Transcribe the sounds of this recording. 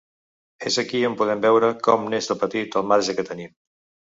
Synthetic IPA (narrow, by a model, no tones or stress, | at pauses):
ezəkiəmpuð̞ɛmbɛwɾəkɔmnezəlˠpət̪it̪əlˠmaɾʒəkət̪ənim